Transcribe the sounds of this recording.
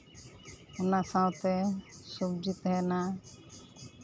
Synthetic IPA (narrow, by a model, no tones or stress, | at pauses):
naːsãwt̪esubd͡ʒit̪ɦɛːnaː